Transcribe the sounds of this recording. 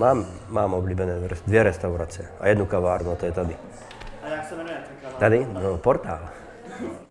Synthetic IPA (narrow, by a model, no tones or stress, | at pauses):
maːmːaːmɔbliːbɛnɛːɾɛd̪ʋjɛɾɛst̪awɾat͡sɪɛa̰jɛd̪nukaʋaːɾnuat̪ɔjɛt̪ad̪i | t̪ad̪inɔpɔɾt̪aːl